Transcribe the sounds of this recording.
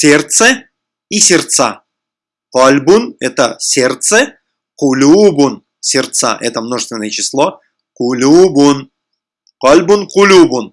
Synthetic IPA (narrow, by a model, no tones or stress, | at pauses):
sʲert̪sə | isʲɪrt̪sa | qɔlʲbʊnɛ̰t̪əsʲert̪sə | qʊlʲubʊn | sʲɪrt̪sa̰ʔɛ̰t̪əmnoʐɨst̪vɪnːəjət͡ɕɪslˠo | qʊlʲubʊn | qɔlʲbʊnqʊlʲubʊn